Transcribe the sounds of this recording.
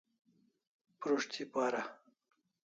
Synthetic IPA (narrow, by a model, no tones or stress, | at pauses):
pɾoʂt̪ʰipaːɾa